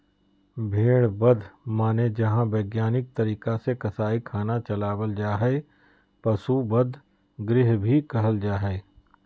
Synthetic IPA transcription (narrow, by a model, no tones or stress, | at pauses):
bʱeːɽbɐd̪ʱmaːned͡ʒɐɦãbeːɡjaːnɪk̚t̪ɐɾiːkasekɐsaːikʰaːnat͡ʃɐlaːwəld͡ʒaːɦɛ | pɐsubəd̪ʱ | ɡɾɪɦbʱikɐɦəld͡ʒaːɦɛː